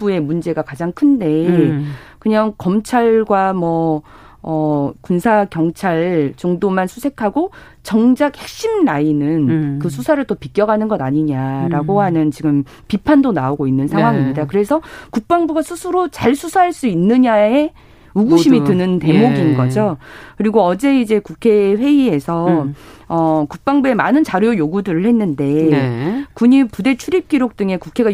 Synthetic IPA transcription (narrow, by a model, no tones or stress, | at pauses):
bue̞mund͡ʑe̞ɡakad͡ʑaŋkʰɯnde̞ | kɯɲaŋkʌmt͡ɕʰaɭɡwamwʌ | ʌkunsʰaɡjʌŋt͡ɕʰaɭt͡ɕoŋdomansʰusʰe̞kʰaɡo | t͡ɕʌŋd͡ʑak̚he̞k̚ɕ͈imnainɯnkɯsʰusʰaɾɯɭt͈opik͈jʌɡanɯnɡʌdaɲiɲaɾaɡoɦanɯnt͡ɕiɡɯm | pipʰandonaoɡoinːɯnsʰaŋɦwaŋimɲidakɯɾe̞sʰʌkuk̚p͈aŋbuɡasʰusʰɯɾot͡ɕaɭsʰusʰaɦaɭs͈uinːɯɲae | uɡuɕʰimitɯnɯnte̞moɡinɡʌd͡ʑokɯɾiɡoʌd͡ʑe̞id͡ʑe̞kukʰe̞ɸwe̞ie̞sʰʌ | ʌkuk̚p͈aŋbue̞manɯnt͡ɕaɾujojoɡudɯɾɯɭhe̞nːɯnde̞ | kuɲipude̞t͡ɕʰuɾip̚k͈iɾok̚t͈ɯŋe̞kukʰe̞ɡa